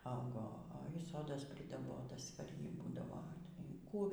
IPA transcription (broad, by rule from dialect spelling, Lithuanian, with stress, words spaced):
ˈɐʊɡoː oːɪ ˈsoːdɐs pʲrʲɪdɐˈboːtɐs pɐr ˈjiː ˈbuːdɐʋoː iː ˈkuː